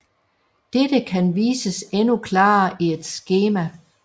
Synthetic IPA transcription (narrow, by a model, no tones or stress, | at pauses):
d̥ed̥əkʰænʋiːsəsenukʰlɑ̈ːʔie̝d̥sɡ̥e̝ːmæ